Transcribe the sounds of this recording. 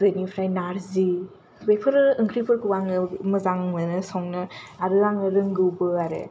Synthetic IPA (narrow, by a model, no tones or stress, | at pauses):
zɯnipʰɾajnaɾzi | bejpʰɯɾɯɯŋkʰɾipʰɯɾkʰɯwaŋɯmɯzaŋmɯnɯsɔŋnɯaɾɯaŋɯɾɯŋɡɯwbɯaɾḛ